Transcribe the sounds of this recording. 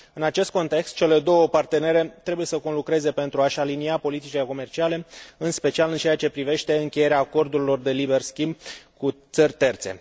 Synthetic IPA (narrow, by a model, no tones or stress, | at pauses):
ɨnat͡ʃe̞st̪̚ko̞nt̪e̞kst̪̚t͡ʃe̞le̞d̪o̞wəpart̪e̞ne̞ɾe̞t̪ɾe̞buje̞səko̞nlukɾe̞ze̞pe̞nt̪ɾuaʃaliniapo̞lit̪it͡ʃile̞ko̞me̞rt͡ʃiale̞ɨnspe̞t͡ʃialɨnt͡ʃeat͡ʃe̞pɾive̞ʃt̪e̞ɨŋkʲeje̞ɾeaːko̞rd̪uɾilo̞rd̪e̞libe̞rskʲimb̚kut̪sərʲt̪e̞rt̪se̞̰